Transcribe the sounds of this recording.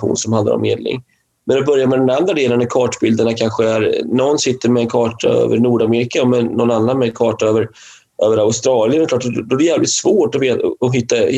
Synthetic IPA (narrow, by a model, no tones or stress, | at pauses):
ɧṵːnsɔmhand̪a̰ɾɔ̰mːḛːd̪lɪ̰ŋ | mɛnɔbœɾjamɛd̪ɛnand̪ɾad̪eːlənːæɾkʰɑːʈbɪld̪əɳakʰanɧəæɾnɔnːsɪt̪ːəɾmɛːnkʰɑːʈʰa̰ø̰ːvəɾnuːɖameːɾɪkaɔmɛnːɔnanːanmɛkʰɑːʈaøːvəɾ | ʔøːvəɾaʊst̪ɾɑːlɪjənɛklɑːʈd̪ɔæjæːvlɪ̰t̪svoːʈɔveːɔɦɪt̪ːa